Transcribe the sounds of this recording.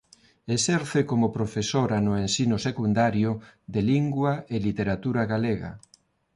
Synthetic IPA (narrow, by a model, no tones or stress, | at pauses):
esɛɾθekomʊpɾofesoɾanʊensinʊsekund̪aɾjʊðeliŋɡwaʔelit̪eɾat̪uɾaɣaleɣa̰